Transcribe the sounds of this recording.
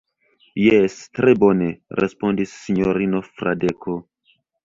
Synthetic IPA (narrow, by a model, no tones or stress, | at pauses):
jestɾebo̞ne̞ɾʔḛspo̞ndisːiɲoɾino̞fɾa̰dekʰo